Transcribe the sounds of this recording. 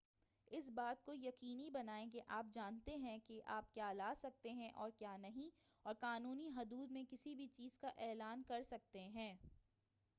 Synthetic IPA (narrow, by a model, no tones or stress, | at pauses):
ɪsbaːt̪̚kojɐqiːnibɐnaːẽkeʔaːp̚d͡ʒaːnt̪eɦɛ̃keʔaːp̚kjaːlaːsɐk̚t̪eɦɛ̃ʔɔːɾkjaːnɐɦĩɔːɾqaːnuːniɦʊd̪uːd̪mẽkɪsibʱit͡ʃiːzkaʔɛːlaːnkɐɾsɐk̚t̪eɦɛ̃ː